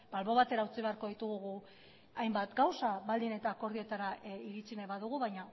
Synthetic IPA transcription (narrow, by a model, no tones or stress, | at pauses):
b̥alβo̞β̞at̪e̞ɾaut͡siβe̞aɾko̞ðit̪uɣuɣu | ajmbat̪ɡawsaβald̪ine̞t̪aːko̞ɾð̞io̞t̪aɾaiɾit͡sineβaðuɣuβajɲa